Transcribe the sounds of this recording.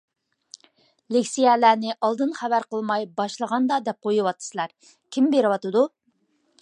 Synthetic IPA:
lekʲsijɛlænɪʔɑlˠd̪ɨnχævæɾqəlˠmɑjbɑʃlˠəʁɑnd̪ɑd̪ɛp̚qʰojuwɑt̪ʰːɨ̥sɨlˠɑɾ | kʲʰimbeɾɪwɑt̪ɨd̪u

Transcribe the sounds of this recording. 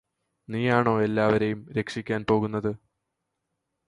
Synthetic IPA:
niːjaːɳo̞ːe̞lːaːʋɐɾe̞jumɾe̞kʂikʲːaːnpo̞ːɣunːɐðɨ

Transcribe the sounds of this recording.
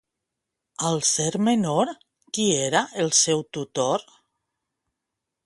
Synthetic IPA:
alˠseɾmenoɾ | kieɾaʔelˠsɛwt̪ut̪oɾ

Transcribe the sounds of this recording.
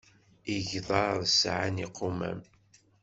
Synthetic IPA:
iʝðˤɑɾðsʕa̰niqʰːomæ̰m

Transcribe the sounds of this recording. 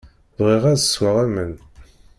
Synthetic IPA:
vʁiʁæðswaʁæmən

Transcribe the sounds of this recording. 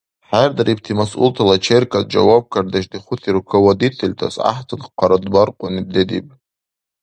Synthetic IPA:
ħard̪aɾʔip̚tʰimasṵltʰalat͡ʃʰerkʰʼad̚d͡ʒa̰wab̚kʰard̪aʃdiχʷʊtʰiɾkʰawod̪itʰelʲtʰa̰sa̰ħtʰɨnqʰʷaɾadbarqʷʼʊnib̚ded̪ḭpʼ

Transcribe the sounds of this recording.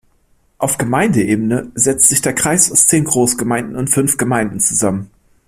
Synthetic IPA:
ʔaʊfɡ̥əmaɪndəʔeːbənəzɛt͡stz̥ɪçd̥eːɐkʁ̥aɪsaʊst͡seːnɡʁoːsɡ̥əmaɪndn̩ʊntfʏnfɡ̥əmaɪndn̩t͡suzamən

